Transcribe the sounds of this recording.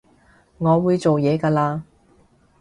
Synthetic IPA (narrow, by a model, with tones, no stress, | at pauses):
ŋɔː˨˧wuː˨˧jt͡so˨wjɛː˨˧kaː˧laː˧